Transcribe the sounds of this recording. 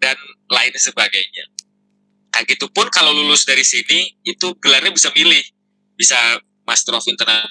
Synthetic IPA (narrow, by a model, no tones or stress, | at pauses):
danlaɪnsəbaɡajɲa̰ | kaaɡit̪upʊnkalawlulʊsdaɾisiniit̪uɡəlarɲabisamilɪh | bisa | mast̪əɾɔfint̪ərna